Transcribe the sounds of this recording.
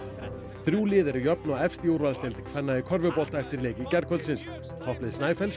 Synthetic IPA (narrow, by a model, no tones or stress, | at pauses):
θɾjuːlɪːðɛɾɪjœpnɔɛfst̪iowɾvalst̪ɛlt̪ɪkfɛnːaðikʰœɾvʏpɔl̥t̪aɛft̪ɪɾleːjcɪcɛɾkʰœlt̪sɪns | pʰɔhplɪðsnaːjfɛls